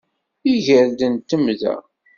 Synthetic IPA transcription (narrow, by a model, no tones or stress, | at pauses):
iʝəɾd̪ənt̪ːəmðæ̰